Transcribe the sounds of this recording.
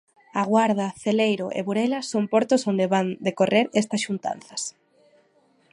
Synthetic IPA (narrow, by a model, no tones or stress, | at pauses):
aɣwaɾð̞ɐθelejɾʊʔḛβuɾelɐsompɔɾt̪ʊsond̪eβand̪ekoreɾest̪ɐsʃunt̪a̰n̟θɐs